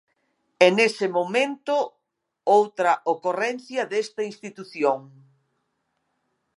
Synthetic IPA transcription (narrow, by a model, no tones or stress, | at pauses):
ɛnesɪmomẽnt̪ʊ | owt̪ɾɐʔokorɛnθjɐðest̪ɐinst̪it̪uθjoŋ